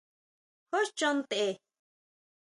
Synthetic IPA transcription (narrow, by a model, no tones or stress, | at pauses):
hoʃt͡ʃont̪e